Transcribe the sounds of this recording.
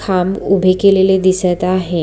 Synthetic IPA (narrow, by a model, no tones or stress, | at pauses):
kʰamubʱekeleled̪isət̪aɦe